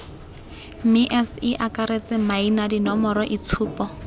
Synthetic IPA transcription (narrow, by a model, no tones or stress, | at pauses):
miʔɛsiʔakʼaɾet͡sʼɪmainadinɔmɔɾɔʔit͡sʰuːpɔ